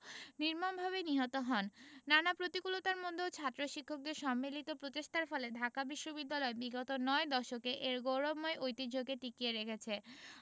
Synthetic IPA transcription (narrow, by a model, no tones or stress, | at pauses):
niɾmanbʱaβeniɦɔt̪oɦɔnːanapɾot̪ikulot̪aɾmod̪ʱːot͡ɕʰat̪ːɾoʃikʰːok̚d̪eɾʃɔmːilit̪opɾot̪eʃʈʰaɾfɔled̪ʱakabiʃːobid̪ːalɔebiɡɔt̪onɔed̪ɔʃokeʔeɾɡowɾomːɔeʔojt̪id͡ʑoɡeʈikieɾekʰet͡ɕʰe